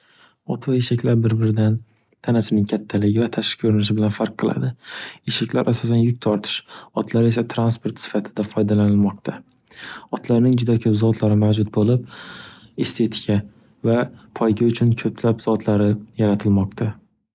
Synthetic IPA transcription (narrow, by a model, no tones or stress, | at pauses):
ɒt̪ʰvaeʃakʲʰlaɾbɪɾbɪɾɪd̪an | t̪ʰanasɪnɪŋkʲʰat̪ʰːalɪɡʲɪvat̪ʰaʃɪ̥kʰɵɾɪnɪʃ̬ɪbɪlanfaɾqʰːɨlˠa̰d̪ɪeʃakʲlaɾʔasɒsanjʊk̚ʲt̪ʰɒɾt̪ʰɪ̥ʃɒt̪ʰlaɾe̞sat̪ʰɾanspo̞ɾt̪sɪ̥fat̪ʰɪd̪afɒjd̪alanɪlmɒq̚t̪ʰa | ɒt̪ʰlaɾnɪŋd͡ʒʊd̪akʲʰɵpzɒt̪ʰlaɾɪmawd͡ʒʊt̪̚bolɪp̚ | est̪ʰe̞t̪ʰɪ̥kʲʰa | vapʰɒjɡʲaʊt͡ʃʰʊnkʰɵpʰlapzɒt̪ʰlaɾɪjaɾat̪ʰɪlmɒqt̪ʰa